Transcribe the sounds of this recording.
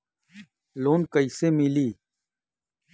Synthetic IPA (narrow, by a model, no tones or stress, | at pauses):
loːnkəiseːmiliː